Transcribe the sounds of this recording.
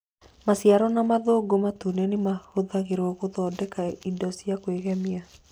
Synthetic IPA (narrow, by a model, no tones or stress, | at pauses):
masiaɾɔnamaðoːɡomatunɛnemahoðaɣeɾɔɣoðɔdɛkaidɔsiakweɣɛmia